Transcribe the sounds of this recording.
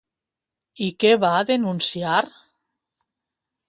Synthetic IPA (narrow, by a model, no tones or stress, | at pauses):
ikeβaðenunsiaɾ